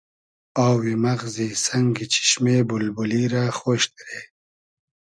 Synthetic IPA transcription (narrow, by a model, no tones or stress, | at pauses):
aːwimaɣzisaŋɡit͡ʃʰi̥ʃmebulbuliɾaxoːʃt̪iɾe